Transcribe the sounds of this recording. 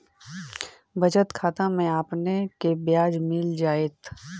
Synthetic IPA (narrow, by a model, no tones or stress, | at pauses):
bɐt͡ʃət̪kʰaːt̪ãmẽaːpnekebjaːd͡ʒmɪld͡ʒaːeːt̪